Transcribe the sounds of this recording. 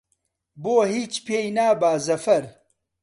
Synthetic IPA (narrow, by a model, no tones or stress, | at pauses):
boːɦiːt͡ʃpeːjnaːbaːzɐfɐɾ